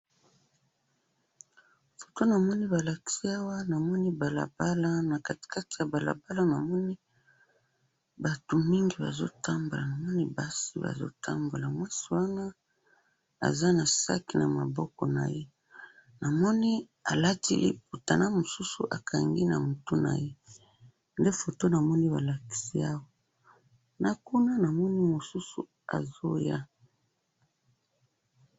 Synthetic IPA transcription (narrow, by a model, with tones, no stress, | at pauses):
fo̥˨to˦na˨mɔ˦ni˦ba˨la˨ki̥˦si˦a˦wa˦na˨mɔ˦ni˦ba˨la̰˨b̥a˦la˦na˨ka˨ti̥˨ka˦ti˨ja˨ba˨la̰˨ba˦la˦na˨mɔ˦ni˦ | ba˨to˨mi˦ŋɡi˨ba̰˨zo̰˦tʰa˦mbo˨la˨na˨mɔ˦ni˦ba˦sḭ˨˦ba̰˨zo̰˦tʰa̰˦mbo˨la˨mwa˦si˨wa˦na˦ | a̰˨za˦na˨sa̰˦ki˨na˨ma˨bɔ˦kɔ˨na̰˨je˦ | na˨mɔ˦ni˦ | a˨la˦tḭ˦ḛ˦k̚u˨ta˨na˦mo˨su˦su˨ʔa̰˨kʰa˨ŋɡi˦na˨mu˨tu˦na̰˨je˦ | nde˦fo˨to˦na˨mɔ˦ni˦ba˨la˨ki̥˨si˦a˦wa˦ | na˨ku˦na˦na˨mɔ˦ni˦mo˨su˦su˨ | a̰˨zo˦ja˦